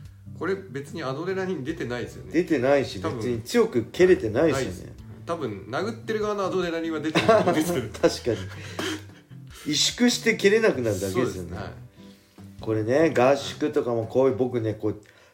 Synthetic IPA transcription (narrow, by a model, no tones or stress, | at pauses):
ko̞ɾe̞be̞t͡sɨɲ̟iad̪oɾe̞naɾʲiɲ̟id̪e̞t̪e̞naid̪esjond̪e̞t̪e̞naiɕib̪esɨɲ̟it͡sɨjo̞kɯ̟kʰe̞ɾe̞t̪e̞naiinḛ | t̪abɯ̟̃nnaɡɯ̟t̪ːeɾɯ̟ɡaβanoad̪oɾenaɾʲĩβad̪et̪ː | t̪ʰaɕi̥kaɲ̟i | iɕɨ̥kɯ̟ɕi̥t̪e̞ke̞ɾe̞nakɯ̟naɾɯ̟d̪ake̞d̪esɨjo̰nḛ | ko̞ɾe̞ne̞ɡaɕɨ̥kɯ̟t̪o̞kamokʰo̞ːjɯ̟bo̞k̬ɯ̟ne̞ko̞ː